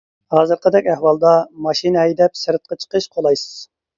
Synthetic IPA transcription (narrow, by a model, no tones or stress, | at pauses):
hɑːzɨɾqəd̪ɛkʲɛhwɑlˠd̪ɑmɑʃinɨɦɛjd̪ɛp̚sɨɾɨt̪̚qɑt͡ʃʰə̥qəʃqʰolˠɑjsɨ̥z̥